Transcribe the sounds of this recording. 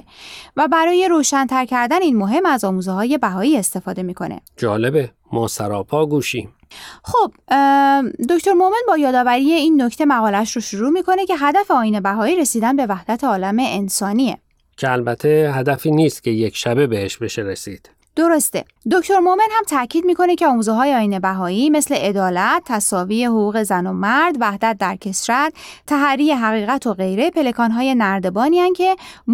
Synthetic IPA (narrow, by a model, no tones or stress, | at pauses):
væbæɾɒːje̞ɾoːʃænt̪ʰæɾcʰæɾd̪æniːnmo̞ɦe̞mæzɒːmuːzeɦɒːje̞bæɦɒːiːe̞st̪e̞fɒːd̪e̞miːkʰo̞̰nḛd͡ʒɒːlebe | mɒːsæɾɒːpʰɒːɡuːʃiːm | xob̥ | d̪o̞ct̪ʰo̞ɾmome̞nbɒːjɒːd̪ɒːvæɾiːje̞iːnːocʰt̪ʰe̞mæɣɒːlæʃɾoʃuɾuːmiːkʰo̞ne̞cʰe̞ɦæd̪æfe̞ɒːjiːne̞bæɦɒːiːɾe̞siːd̪ænbe̞væhd̪æt̪ʰeɒːlæme̞ʔːnsɒːniḛ | cʰeælbæt̪ʰeɦæd̪æfiːniːst̪̚cʰe̞jekʰʃæbe̞beheʃbe̞ʃeɾesiːd̪̥ | d̪̥oɾost̪ḛ | d̪oct̪ʰo̞ɾmome̞nhæmt̪ʰæʔcʰiːd̪miːko̞ne̞cʰeɒːmuːzeɦɒːjeɒːjiːne̞bæɦɒːiːme̞sle̞ʔed̪ɒːlæt̪̚ʰːæsɒːviːje̞hoɣuːɣe̞zænomæɾd̪væhd̪æt̪̚d̪æɾcʰe̞sɾæt̪t̪ʰːæɦæɾiːe̞ɦæɣiːɣæt̪ʰoɣe̞jɾe̞pʰe̞le̞kʰɒnɦɒːje̞næɾd̪e̞bɒːniæncʰe̞m